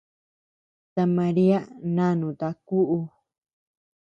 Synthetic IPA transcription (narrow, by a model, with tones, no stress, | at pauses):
t̪a˧mã˧ɾi˦a˦nã˦nũ˨t̪a˧ku˦ʔu˧